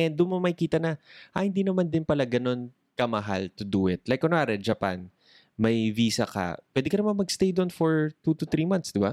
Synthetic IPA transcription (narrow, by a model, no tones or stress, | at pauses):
ɛnd̪ʊmomɐjkiːt̪ɐnɐʔɐhɪnd̪iːnɐmand̪ɪnpɐlaɡɐno̞n | kɐmɐɦa̰lt̪ʊd̪uʔɪt̪̚lajkʔonoaːɾɛd͡ʒɐpa̰n | mɐjviːsɐkɐ̰pwɛd̪ɛkɐnɐmanmɐɡst̪ejd̪onfɔɹt̪ut̪ʊt̪ɾiːmansd̪ɪba